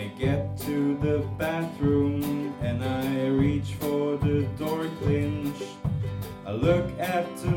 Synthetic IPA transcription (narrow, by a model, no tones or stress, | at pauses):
ɪɡɛtʰɨðɨbæθɹʉ̃mɨ̃naɪɪɹit͡ʃfə˞ðɨdɔɹkʰl̥ɪ̃nt͡ʃ | aɪlʊkætt̪̚ɨ